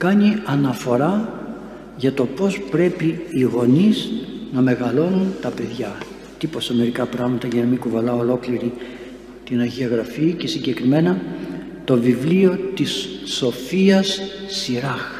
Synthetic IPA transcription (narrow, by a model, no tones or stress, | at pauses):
kɐniɐnɐfo̞ɾɐ | ʝɐt̪o̞po̞spɾe̞piːɣo̞niznɐme̞ɣɐlo̞nunt̪ɐpe̞ðʝɐ | t̪iposɐme̞ɾikɐpɾɐɣmɐt̪ɐʝɐnɐmikuvɐlɐolo̞kliɾi | t̪inɐʝiɐɣɾɐfice̞siɲɟe̞kɾime̞nɐ | t̪o̞vivlio̞t̪isːo̞fiɐsːiɾɐx